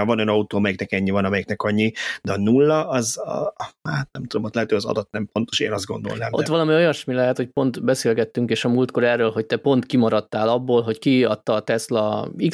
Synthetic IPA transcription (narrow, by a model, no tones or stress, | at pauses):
vɒnønɒut̪oːɒmɛjɛknɛkɛɲːivɒnɒmɛjɛknɛkɒɲːid̪ɛɒnulːɒɒz | aːt̪̚nɛmt̪ud̪o̞mot̪lɛɦɛt̪øɒzɒ̰d̪ɒt̪nɛmpo̞nt̪oʃḛːnɒzd̪̚ɡo̞̰nd̪o̞̰lnɛmʔo̰t̪ːʋɒlɒmio̞jɒʃmilɛɦɛt̪hoc̚po̞nt̪bɛseːlɡɛt̪ːyŋkeːʃɒmuːlt̪ko̞ɾɛrːøːlɦo̞c̚t̪ɛpo̞nt̪kimɒɾɒt̪ːaːlɒbːoːlɦo̞ckiɒt̪ːɒːt̪ɛslɒi